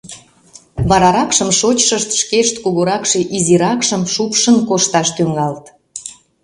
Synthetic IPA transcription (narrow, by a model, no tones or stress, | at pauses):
βɑɾɑɾɑkʃəmʃot͡ɕʃəʃt̪ʃkeʃt̪kuɣoɾɑkʃeʔiziɾɑkʃəmʃupʃənkoʃt̪ɑʃt̪yŋɑlt̪